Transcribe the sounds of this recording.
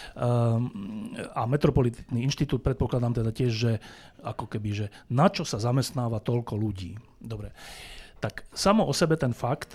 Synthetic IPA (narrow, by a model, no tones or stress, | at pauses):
amɛt̪ɾɔpɔlit̪it̪niinʃt̪it̪uːt̪̚pɾɛt̪̚pɔklad̪aːmt̪ɛd̪acɪɛʒʒɛakɔkɛbiʒɛnat͡ʃɔsazamɛst̪naːʋat̪ɔʎkɔluɟiː | d̪ɔbɾɛt̪aksamɔʔɔsɛbɛt̪ɛnfakt̪